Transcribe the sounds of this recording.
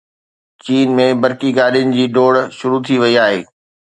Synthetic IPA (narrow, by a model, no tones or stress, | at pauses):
t͡ɕiːnmẽbɐɾkiɡaːɗijʊnɪ̆d͡ʑiːɖoːɽʃʊɾut̪ʰiʋɐiaːɦḛː